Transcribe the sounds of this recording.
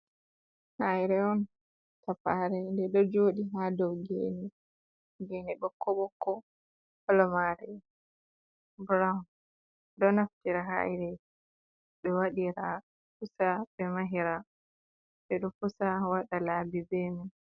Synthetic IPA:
hajɾɛɔn | tapaɾɛndɛɗɔd͡ʒoːɗiɦadɔwɡḛni | ɡenibɔkːɔɓɔkːɔ | hɔlɔmaɾɛ | buɾan | ɗɔnaftiɾaɦa̰jɾɛ | ɗɔwaɗiɾa | fusabɛmaɦiɾa | sɛɗɔfusawaɗalaːbizemi

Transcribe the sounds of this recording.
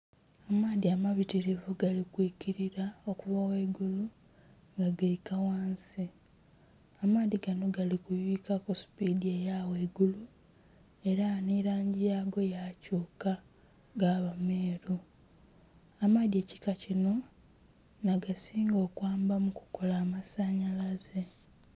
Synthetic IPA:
amaːðiamaβitiɾivuɡalikwiːkiɾiɾao̞kuβawe̞ːɡulu | ŋɡaɡaikawaːnsi | amaːðiɡano̞ɡalikujiːkakosu̥pidiejawe̞ːɡulu | e̞ɾaniɾaːɲɟijaːɡo̞jacuːka | ɡaːβameːɾu | amade̞ːci̥kacino̞ | naɡasiːŋɡo̞ːkwaːmbamuku̥ko̞laːmasaɲalaze̞

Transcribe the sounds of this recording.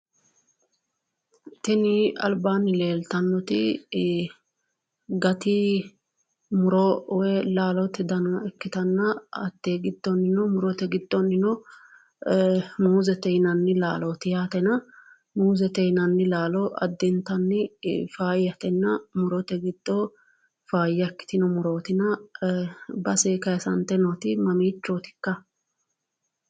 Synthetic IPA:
t̪ɛnɪɐ̰lbaːnːɪle̞ːlt̪ɐnːɔt̪ɪ | ɡɐt̪ɪ | mʊɾɔwɛlaːlɔt̪ɪd̪ɐnɐɛkːɪt̪ɐnːɐɐt̪ːeːɡɪd̪ːɔnːɪnɔmʊɾɔt̪ɛɡɪd̪̥ːɔnːɪnɔ | muːzɛt̪ɛnɐnːɪlaːloːt̪ɪjaːt̪ɛnɐ | muːzɛt̪ɛjnɐnːɪlaːlɔʔɐ̰d̪ːɛnt̪ɐnːɪfaːjɐt̪ɛnːɐmʊɾɔt̪ɛɡɪd̪̥ːo | faːjːɐkːɪ̥t̪ɪnɔmʊɾo̞ːt̪ɪnɐ | bɐseːkɐjɐsɐnt̪ɛnot̪ɪmɐmiːt͡ʃːot̪ɪ̥kːɐ

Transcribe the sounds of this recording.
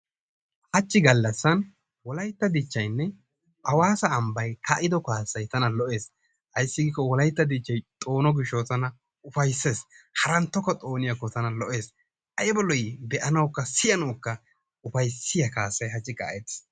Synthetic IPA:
hɐt͡ʃːɪɡɐlːɐsːɐn | wɔlɐjt̪ːɐd̪ɪt͡ʃːɐjnːɛ | ʔɐwaːsɐːmbɐjkʰaʔɪd̪ɔkaːsːɐjt̪ɐnɐlɔʔe̞ːs | hɐjsːɪɡiːkːɔwɔlɐjt̪ːɐd̪ɪt͡ʃːɐjt̪ʼo̞ːnɔɡɪʃːɔt̪ɐnɐ | ʊfɐjsːe̞ːshɐɾɐnt̪ːɔkːɐt̪ʼo̞ːnɪjɐkːɔt̪ɐnɐlɔʔe̞ːs | ʔɐjɛbɔlɔjbɛʔɐnɐwkːɐsɪjɐnɐwkːɐ | ʊfɐjsɪjɐkaːsːɐjhɐt͡ʃːɪka̰ːʔɛt̪ːs

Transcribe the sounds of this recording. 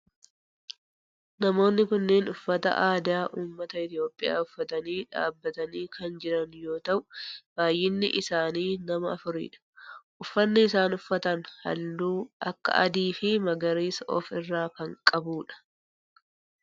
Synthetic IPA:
nɐmo̞ːnːɪkʊnːeːnʊfːɐt̪ɐ̰ʔaːd̪aːʔuːmːɐt̪ɐɪt̪ɪjo̞ːpʼːɪja̰ːʊfːɐt̪ɐniːᶑa̰ːbːɐt̪ɐniːkɐnd͡ʒɪɾɐnjo̞ːt̪ɐʔʊbaːjːɪnːɪ̰ʔɪsaːniːnɐmɐːfʊɾḭːᶑɐ̥ʔʊfːɐnːɪɪsaːnʊfːɐt̪ɐnhɐ̰lːuːʔɐkːɐ̰ʔɐ̰d̪iːfɪmɐɡɐɾiːsʔɔ̰fɪrːaːkɐŋkʼɐbuːᶑɐ̥

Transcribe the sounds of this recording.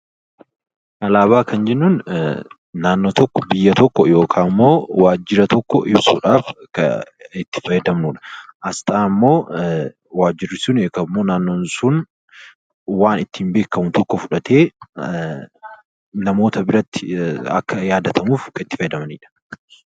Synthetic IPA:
ʔɐlaːβaːkɐnd͡ʒɛnːunː | aːnːoːt̪ɔkːɔ̥bɪjːɐt̪ɔkːɔjo̞ːkʰaːmːo̞ːwaːd͡ʒːɪɾɐt̪ɔkːɔ̰ʔɪbsṵːᶑaːfkɐ̰ɪt̪ːɪ̥fɐjɐd̪ɐmnuːᶑɐ̥ʔɐst̪ʼaːmːo̞ː | waːd͡ʒːɪrɪsʊneːkɐmːo̞ːnaːnːoːnsʊn | waːnɪt̪ːiːmbe̞ːkːɐmʊt̪ɔkːɔfʊᶑɐt̪e̞ː | nɐmo̞ːt̪ɐbɪɾɐt̪ːɪ̥ɐ̰kːɐjaːd̪ɐt̪ɐmuːfkɐɪt̪ːɪfɐjɛd̪ɐmɐniːᶑɐ̥

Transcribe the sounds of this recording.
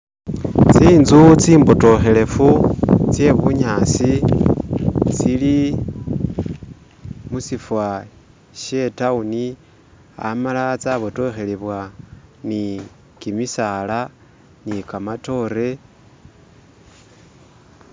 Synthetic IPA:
t͡siːnzut͡siːmboto̞xe̞le̞fut͡sje̞βuɲaːsi | t͡sili | musifwa | ʃe̞tauni | a̰malat͡saβoto̞xe̞liβwani | kimisaːla | nikamato̞ːɾe̞

